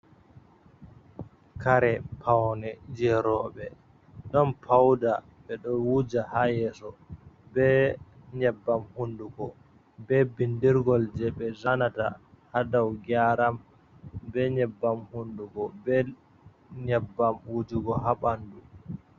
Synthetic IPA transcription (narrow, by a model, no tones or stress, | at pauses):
kaɾɛpʰawnɛd͡ʒɛɾɔɓɛ | ɗɔnpʰawda | ɓɛɗɔwud͡ʒahajɛːsɔbɛɲɛbːamhunduɡɔ | bɛbindiɾɡɔld͡ʒɛɓɛzanata̰ | hadawɡaɾam | bɛɲɛbːamhunduɡɔbɛ | ɲɛbːamwud͡ʒuɡɔɦaɓandu